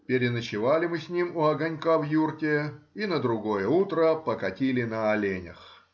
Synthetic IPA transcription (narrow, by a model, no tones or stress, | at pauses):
pʲɪɾʲɪnət͡ɕɪvalʲɪmɨsʲnʲimʊɐɡɐnʲkavjurkʲɪinəd̪ɾʊɡo̞jəut̪ɾəpəkɐtʲilʲɪnəɐlʲenʲə̰x